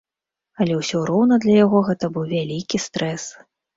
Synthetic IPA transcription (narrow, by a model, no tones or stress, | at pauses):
alʲɛwsʲɔɾɔwnɐd̪lʲɐjaɣɔɣɛt̪ɐbɨwvʲalʲikʲist̪ɾʔɛs